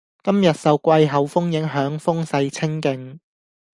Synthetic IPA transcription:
kɐ˥mjɐ˨t̚sɐ˨wkʷɐ˧jɦɐ˨˥wfʊ˥ŋjɪ˨˥ŋɦœː˨˥ŋfʊ˥ŋsɐ˧jt͡sʰɪ˥ŋkɪ˨ŋ

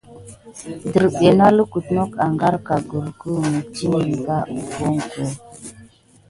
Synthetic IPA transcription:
də˨ɾɓe˨na˦lə˦ku˨tno˦ka˨ŋɡa˦ɾka˨ɡə˨ɾkə˦mə˨ti˦ni˨ɡa˦u˨ko˦ŋko˨

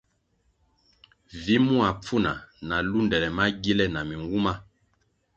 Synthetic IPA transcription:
vi˨˦mu˦a˨p͡fu˦na˨na˨lu˦ndɛ˨lɛ˨ma˦ɡi˦lɛ˦na˨mi˨ŋɡu˦ma˦

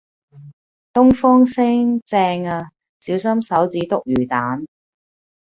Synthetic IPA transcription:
t̪ʊ˥ŋfɔː˥ŋsɪ˥ŋt͡sɛː˧ŋaː˧ | siː˨˥ws̬ɐ˥msɐ˨˥wt͡siː˨˥t̪ʊ˨k̚jyː˨˩t̪aː˨˥n

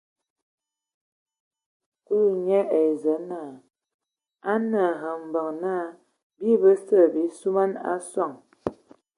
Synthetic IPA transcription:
u˦ɲɛ˦ʔe˨zə˨˦naː˨ | a˦nə˨ɦə˨m̩˨bə˨ŋna˦˨ | bi˦bə˦sə˦˨bi˨˦su˦ma˦na̰˦sɔ˦˨ŋ

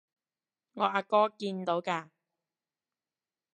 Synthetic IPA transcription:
ŋɔː˨˧ʔaː˧kɔː˥kiː˧nt̪o˨˥wkaː˧

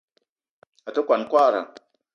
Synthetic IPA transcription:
a˨tə˦kʷa˨nkʷa˦˨ɾa̰˨

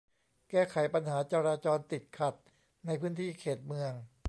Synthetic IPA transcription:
kɛː˥˩kʰa˩˦jpa˧nɦaː˩˦t͡ɕa˧ɾaː˧t͡ɕɔː˧nt̪i˨˩t̪̚kʰa˨˩t̪̚ | na˧jpʰɯː˦˥nt̪ʰiː˥˩kʰeː˨˩t̪̚mɯ˧əŋ

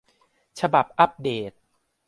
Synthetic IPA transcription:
t͡ɕʰa˧ba˨˩p̚ʔa˦˥p̚deː˨˩t̪̚

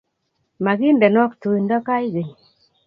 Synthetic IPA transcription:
ma˨ɡi˦nde˨nɔ˦ktu˨i˨nda˦ka˦i˦ɡe˨ɲ

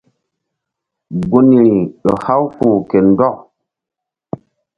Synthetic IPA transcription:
ɡo˦ni˨ɗə˨ha˦wku˨ke˨n˦dɔ˦˨ʔ

